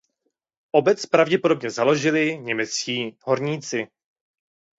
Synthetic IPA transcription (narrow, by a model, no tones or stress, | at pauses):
ʔo̞bɛt͡spɾavɟɛpodo̞bɲɛzalo̞ʒɪlɪɲɛmɛt͡sciːɦo̞ɾɲiːt͡sɪ